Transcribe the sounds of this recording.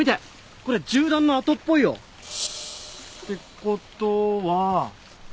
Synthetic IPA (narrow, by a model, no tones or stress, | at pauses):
mʲit̪e | ko̞ɾed͡ʑɨːd̪ãnːoat̪o̞pːo̞ijo̰ | t̪e̞kot̪oβa